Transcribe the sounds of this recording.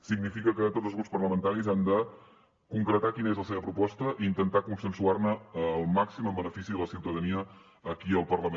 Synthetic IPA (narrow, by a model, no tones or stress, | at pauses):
siɡnifikəkət̪odzlzɣɾupspərləmənt̪aɾizand̪ə | kuŋkɾət̪akinəezləseβəpɾupɔst̪əʔiːnt̪ənt̪akunsənsuarnəəlˠmaksiməmbənəfisiðələsiwt̪əðəniəː | kiəlˠpərləme